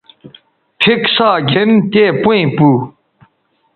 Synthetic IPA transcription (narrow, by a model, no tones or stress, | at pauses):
pʰik̚saɡɛnt̪epẽpu